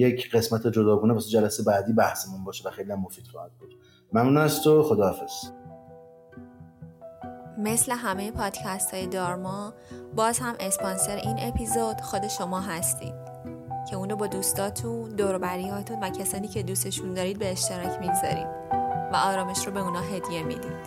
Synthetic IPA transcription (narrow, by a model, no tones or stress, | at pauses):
jecʰɢe̞smæt̪ʰed͡ʒod̪ɒːɡuːnepʰɒsid͡ʒælæsebæːd̪ibæhsemunbɒːʃevæxe̞jlijæmːofiːd̪̥xɒːhæd̪̚bod̪̥ | mæmnunæst̪ʰoxod̪ɒːafez̥ | me̞sle̞ɦæme̞jepʰɒːd̪̥cʰæst̪ʰhɒːje̞d̪ɒːɾmɒbɒːz̥hæmʔe̞spɒnse̞ɾeʔiːnʔe̞pʰizod̪̥xo̞d̪e̞ʃo̞mɒːɦæst̪ḭːd̪̥̚ | cʰe̞unɾobɒːd̪uːst̪ɒːt̪ʰund̪oːɾobæɾiːhɒːt̪ʰunvæcʰæsɒːniːcʰe̞d̪uːse̞ʃund̪ɒːɾiːd̪̚be̞ːʃt̪e̞ɾɒːcʰmiɡz̥ɒ̰ɾḭːd̪̥væɒːɾɒːme̞ʃɾoːbe̞uːnɒːɦe̞d̪je̞mḭd̪iːd̪̥